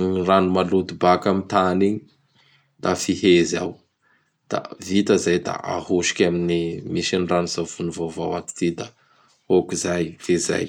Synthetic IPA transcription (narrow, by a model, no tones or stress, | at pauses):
ranumalud̪ibakamit̪ani | d̪̥afiɦeza̰w | d̪̥a̰vit̪azajd̪a̰a̰huʃi̥kʲaminimiʃinranuzafunuvova̰wat̪i̥t̪id̪a | hokizajfeza̰j